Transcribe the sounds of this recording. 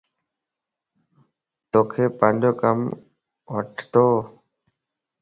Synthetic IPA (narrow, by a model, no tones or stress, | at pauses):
t̪oːkʰeːpənd͡ʒoːkəm | ʋəʈʰt̪oː